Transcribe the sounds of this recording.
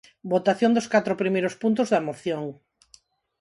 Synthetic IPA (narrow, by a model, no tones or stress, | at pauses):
bot̪aθjõŋd̪oskat̪ɾopɾimejɾospunt̪̬ozðɐmoθjoŋ